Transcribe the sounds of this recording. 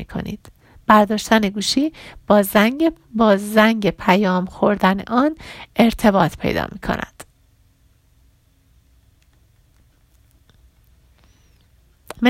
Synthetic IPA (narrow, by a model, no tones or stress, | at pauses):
ikʰo̞̰nḭːd̪̥ | b̥æɾd̪ɒːʃt̪æne̞ɡuːʃiːb̥ɒːzæ | bɒːzzæŋɟepʰæjɒːmxo̞ɾd̪ænḛʔɒːne̞ɾt̪ʰe̞bɒːt̪ʰpʰe̞̰jd̪ɒ̰ːmḭːkʰo̰nʔæ̰d̪̥ | m